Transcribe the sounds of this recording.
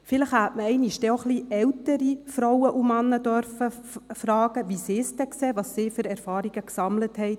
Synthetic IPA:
fɪləχhætməɛɪniʃd̥ɛoχliːɛwtəɾifɾowəʔumɑnːəd̥œɾfəfɾɑːɡ̥əʋisɪːst̪ɛkseːʋɑːsːiːfyɾɛɾfɑːɾiɡ̥əksɑmləthɛɪt

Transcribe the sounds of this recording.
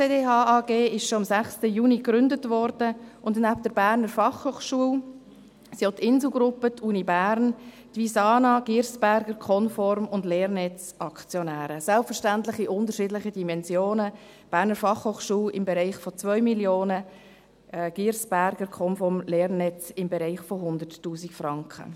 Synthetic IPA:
t͡seːdeːɑːɑːɡ̥eːɪʃʃoɑmsæχstəjuːnikɾʏndətʋɔɾd̥əʔʊndnæp̚d̥əɾb̥æːɾnəɾfɑχhoːχʃuəl | sot̪ʰːɪnszl̩ɡɾʊpətʰuːnibæːɾn | tʋisɑːnɑɡ̥iːɾsb̥æɾɡ̥əɾkʰɔnfɔɾmʊndleːɾnɛt͡s | ɑkt͡sjɔnæːɾəsɛlpfəɾʃtæntlɪχiʔʊntəɾʃɪdlɪχədimɛnzjoːnə | b̥æːɾnəɾfɑχhoːχʃuːlɪmbɛɾaɪχfɔt͡svœʏmiljoːnə | ɡ̥iɾsb̥æɾɡ̥əɾkʰɔnfɔɾmleːɾnɛt͡sɪmbɛɾaɪχfɔɦʊnd̪ərtːuːsikfrɑŋkχə̰

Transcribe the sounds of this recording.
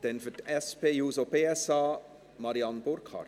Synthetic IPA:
d̥̪ɛnfytɛspeːjuːsobeːɛsɑː | mɑɾiɑnb̥ʊɾkʰɑ̰

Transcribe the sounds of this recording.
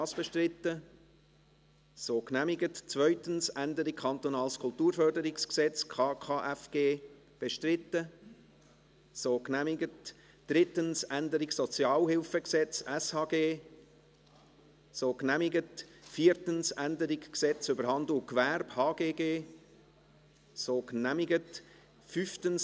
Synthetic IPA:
sb̥ɛʃtrɪtːə | soːknæmɪɡətt͡svœʏtənsændəɾikʰɑnt̪ɔnɑːlskʰʊltuːɾfœrdəɾɪksksɛt͡skʰɑːkʰɑːʔɛfɡ̥eː | b̥ɛʃtrɪtːə | soːknæmɪɡət | d̥ɾɪtənsændəɾɪɡsɔt͡sjɑːlhɪlfəksɛt͡sɛshɑːɡeː | soːknæmɪɡətfiːɾtənsændəɾɪɡksɛt͡sʏbəɾɦɑndl̩kvæɾb̥hɑːɡeːɡeː | soːknæmɪɡət | fyftəns

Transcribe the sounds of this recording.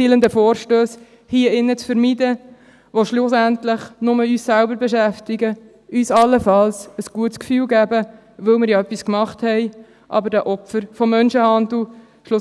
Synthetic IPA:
ilənd̪əfoːɾʃtøːs | hiəɪnːət͡sfəɾmidə | ʋoʃlʊsæntlɪχnʊməyːssælbəɾbɛʃæft̪ɪɡə | ʔyːsɑlːəfɑlsəsɡ̥uətskfyːlɡæːbə | ʋɵlmɪːɾjɑœpːiskmɑχthɛɪ | ʔɑ̰bəɾdæʔɔpfəɾfɔmːœnʃəhɑnd̪l̩ | ʃlʊ

